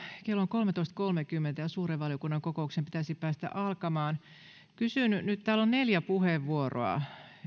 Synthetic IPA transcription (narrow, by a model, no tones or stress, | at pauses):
kelːoŋkolmet̪oist̪kolmekymːent̪æjɑsuːreʋʋɑljokunːɑŋkokouksempit̪æsipæːst̪æ̰ʔɑlkɑmɑːn | kysynynyt̪t̪æːlonneljæpuheʋʋuoro̰ɑ̰